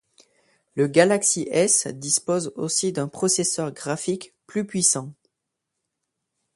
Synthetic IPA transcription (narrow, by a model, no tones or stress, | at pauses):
ləɡalaksiʔɛsd̪ispozo̰sid̪ɛ̃pχɔsesœʁɡʁafikplypɥisɑ̃